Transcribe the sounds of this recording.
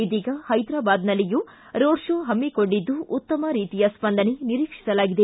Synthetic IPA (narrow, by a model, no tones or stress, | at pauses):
id̪iːɡɐhɐjd̪ɾaːbaːd̪nɐlːiju | ɾoːɾʂoːɦɐmːikoɳɖid̪ːuʔut̪ːɐmɐɾiːt̪ijɐspɐnd̪ʱɐneniɾiːkʂi̥sɐlaːɡid̪e̞